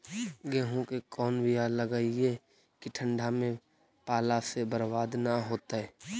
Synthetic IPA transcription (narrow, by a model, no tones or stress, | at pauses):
ɡẽːɦõkekɔːnbɪjaləɡaie | kiʈʰə̃ɳɖʱamẽ | paːlasebəɾbaːd̪naɦoːt̪aɦɛː